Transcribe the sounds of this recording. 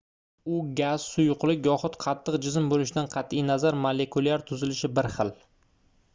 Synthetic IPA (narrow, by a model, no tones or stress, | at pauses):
ʊɡʲaz̥sʊjʊqlˠɪkʲjɒχʊt̪qʰɑt̪ʰːɨqd͡ʒɪzɪmbolɪʃɪd̪anqʰɑt̪ijnazaɾmole̞kʰulaɾt̪ʰʊzɪlɪʃɪbɪɾχɨl